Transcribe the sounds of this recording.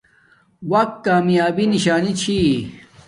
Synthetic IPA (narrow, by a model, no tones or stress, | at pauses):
wɐk̚t̪̚kaːmjaːbiniɕaːnit͡ɕʰi